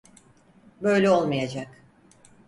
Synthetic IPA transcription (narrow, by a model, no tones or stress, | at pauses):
bø̞jlʲɛo̞lˠmajad͡ʒak